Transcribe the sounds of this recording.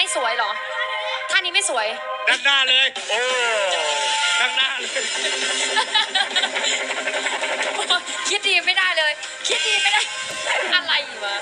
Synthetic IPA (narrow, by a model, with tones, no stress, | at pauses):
a˥˩jsu˨˩˦əjlɔ˩˦ | t̪ʰaː˥˩niː˦˥ma˥˩jsu˩˦əj | d̪a˦˧˩ŋ̚naː˥˩lɤː˧jʔoː˧ | da˧˩ŋnaː˥˩˨lː | o˧ | kʰi˦˥t̪̚diː˧ma˥˩jda˥˩jlɤː˧j | kʰi˦˥t̪̚diː˧ma˥˩jda˥˩j | ʔa˧ɾa˧jʔiː˨˩k̚a˧˩